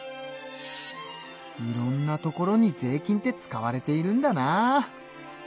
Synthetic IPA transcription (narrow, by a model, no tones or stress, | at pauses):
iɾõ̞nːat̪o̞ko̞ɾo̞ɲ̟id͡ze̞ːkʲĩnt̪e̞t͡sɨ̥kaβaɾe̞t̪e̞iɾɯ̟̃nd̪ana